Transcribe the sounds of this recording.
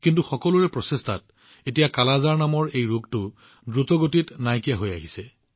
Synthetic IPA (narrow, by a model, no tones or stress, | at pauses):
kintuxɔkɔlʊɹɛpɹɔsestʰat̚ | etijakalazaɹnamɔɹejɹuɡtʊ | dɹutɔɡotitnajkijaɦoja̰ɦisɛ